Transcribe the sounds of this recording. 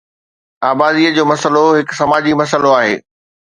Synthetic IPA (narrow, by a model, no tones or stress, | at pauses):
aːbaːd̪iəd͡ʑoːmɐsəloɦɪksɐmaːd͡ʑimɐsəloaːɦḛː